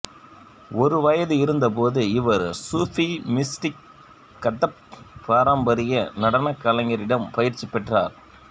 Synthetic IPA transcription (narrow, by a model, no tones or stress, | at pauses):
ɔɾɯʋɐjɐðɯɪɾɯnd̪ɐp̬oːðɯɪʋɐɾsuːfimɪsʈɪkː | ɐʈːɐppaːɾɐmbɐɾɪjɐnɐɽɐnɐkːɐlɐŋɡɐɾɪɽɐmpɐjɪɾt͡ʃːipɛʈra̰ːɾ